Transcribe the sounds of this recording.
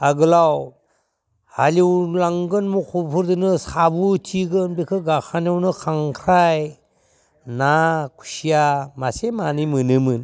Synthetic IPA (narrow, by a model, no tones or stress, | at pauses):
aɡɯlaw | haliwlaŋɡɯnmukʰupʰuɾdɯnɯsabutʰiɡɯnbikʰɯɡaxʰanawnɯkʰaŋkʰɾaj | nakʰu̥sijamasemanimɯnɯmɯn